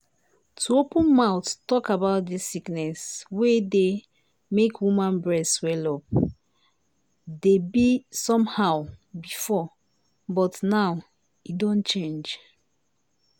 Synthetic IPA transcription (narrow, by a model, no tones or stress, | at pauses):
tʰuopũnmaʊttɔkabaʊt̚disiknɛswede | mekwumãnbɹɛswɛlɔp̚ | debisɔ̃mhaʊbifɔ | bɔtnaʊ | idõnt͡ʃẽnd͡ʒ